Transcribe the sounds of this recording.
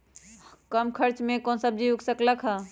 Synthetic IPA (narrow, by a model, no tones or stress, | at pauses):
kəmkʰəɾt͡ʃmekonsəb̚d͡ʒiuksəkləkʰɦə